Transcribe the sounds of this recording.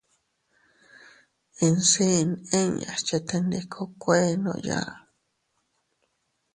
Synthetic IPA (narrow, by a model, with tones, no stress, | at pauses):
i˧nsi˦˧nẽ˦ɲa̰˨t͡ʃa˧t̪e˧nd̪i˧kʰo˦kʷe˦nõ̰˧ʔja̰˦˧ʔ